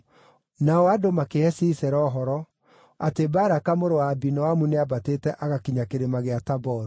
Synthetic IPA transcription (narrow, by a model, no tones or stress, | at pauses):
naɔadomakeɛsiːsɛɾɔɦɔɾɔ | atebaːɾakamoɾowaːbinɔwamuneabatetɛʔaɣakiɲakeɾemaɣeatabɔɾu